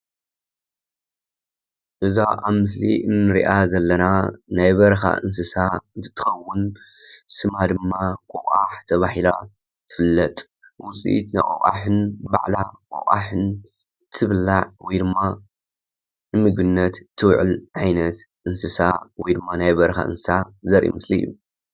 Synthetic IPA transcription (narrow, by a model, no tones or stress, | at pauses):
ʔɨzaʔaβmɨsliʔɨnːɨɾḭʔazɐlːɐnanajbɐɾɐxa̰ʔɨ̰ns̬ɨsaɨnt̪ʰɨ̥t̪ʰːɨ̥xɐwːʊn | sɨmad̪ɨmːakʼokʼaħt̪ʰɐβaħila | t̪ʰɨ̥fɨlːɐt̪ʼ | wʊsʼḭit̪na̰jkʼo̰χʼa̰ħɨnba̰ʕlakʼo̰χʼa̰ħɨn | t̪ʰɨβlːaʕwɔjd̪ɨmːa | nɨmɨɡɨnːɐt̪t̪ʰːɨwʕɨ̰lʕajnɐt̪ʔɨnsɨsa̰wɔjd̪ɨmːanajbɐɾɐxa̰ʔɨ̰nsɨ̥sazɐɾʔḭmɨsliju